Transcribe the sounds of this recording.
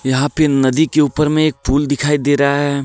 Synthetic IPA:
jɐɦãpenɐd̪ikeuːpəɾmẽeːk̚pʰuːld̪ɪkʰaːid̪eːɾɐɦaɦɛː

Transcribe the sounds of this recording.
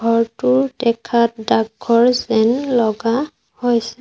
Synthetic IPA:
ɡʱɔɹtʊɹdɛkʰat̚dakːɔɹzɛnlɔɡa | hojsɛ

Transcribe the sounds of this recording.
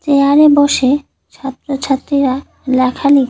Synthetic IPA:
t͡ɕeaɾeboʃe | t͡ɕʰɔt̪ːɾot͡ɕʰat̪ːɾiɾa | lɛkʰalit̪

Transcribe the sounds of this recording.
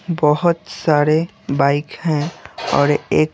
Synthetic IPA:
bɔɦʊt̪saːɾe | baːɪkɦɛ̃ɔ̰ːɾeːk

